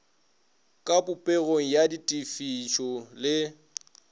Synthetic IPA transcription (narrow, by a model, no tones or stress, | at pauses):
kʼapʼʊpʼeɣoŋ̩jaditʼifiʃɔlɪ